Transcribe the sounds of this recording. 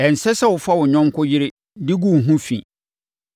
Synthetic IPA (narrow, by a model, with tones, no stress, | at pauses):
ɛ˨n̩˨sɛ˦sɛ˦wʊ˨fa˦wʊ˨ɲᶣɔ̃˦mkʰʊ˦jɪ˦ɾɪ˦ | dɪ˦ɡũ˦˨ɦũ˦fḭ̃˨